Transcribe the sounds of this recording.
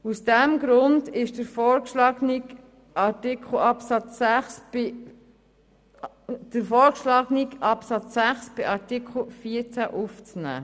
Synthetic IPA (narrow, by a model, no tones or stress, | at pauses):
usd̥ɛmɡɾʊndɪʃd̥əɾfɔːɾkʃlɑɡni | ɑtɪkʰl̩ɑpsɑt͡sæχs | d̥əɾfɔːɾkʃlɑɡnikɑpsɑt͡sːæχsb̥ɪʔɑɾtɪkʰl̩fiəɾt͡sæʔuft͡snæ̰ː